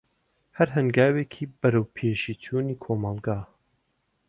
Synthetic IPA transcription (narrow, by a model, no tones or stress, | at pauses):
hɐɾɦɨŋɡaːweːkʰiːbɐɾɐwpʰeːʃiːtʰuːniːkʰomɑlˠɡaː